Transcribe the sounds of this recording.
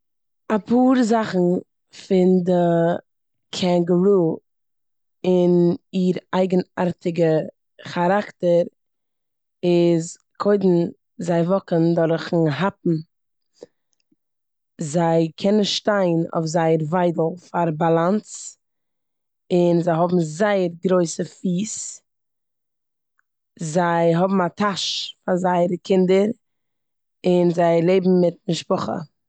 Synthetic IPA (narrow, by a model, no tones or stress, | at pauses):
apʰuːɾzaχn̩ | fɪndə | kʰɛŋɡəɾuː | ɪniːɾaɪɡəna̰ɾtʰɪɡə | χaɾaktəɾ | ɪz | kʰoɪdn̩ | zaɪvɔkəndɔɾχn̩ɦapm̩ | zaɪkʰɛnənʃtaɪno̰ɪfzaɪəɾvaɪdl̩ˠfaɾbalˠant͡s | ɪnzaɪɦɔbm̩zaɪəɾɡɾoɪsəfiːs | zaɪɦɔbm̩atʰaʃfazaɪəɾəkʰɪndəɾ | ɪnzaɪlˠeɪbm̩mɪt̚mɪʃpɔχə̰